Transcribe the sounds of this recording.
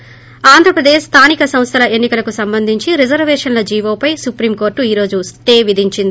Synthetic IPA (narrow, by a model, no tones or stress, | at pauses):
aːnd̪ʱɾɐpɾɐd̪eːʃst̪ʰaːnikɐsɐ̃mst̪ʰɐlɐʔenːikɐlɐkusɐmbɐnd̪ʱiɲt͡ʃiɾid͡ʒɐɾʋɛːʂɐnlɐd͡ʒiːʋoːpɐjsupɾiːmko̞ːɾʈːuiːɾo̞ːd͡ʒusʈeːʋid̪ʱiɲt͡ʃind̪i